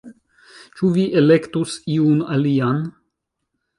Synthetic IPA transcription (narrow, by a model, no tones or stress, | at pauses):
t͡ʃuviʔelekt̪usiunalian